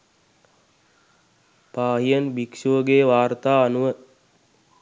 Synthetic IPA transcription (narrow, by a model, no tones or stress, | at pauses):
paːɦijənbikʃuəɡeːʋaːrt̪aːanuʋə